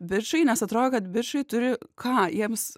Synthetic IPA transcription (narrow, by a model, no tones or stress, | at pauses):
bʲɪrʃɐɪnʲɛsɐt̪ɾoːdʲkɐt̪bʲɪrʃɐɪt̪ʊɾʲɪkʰɑːjiɛms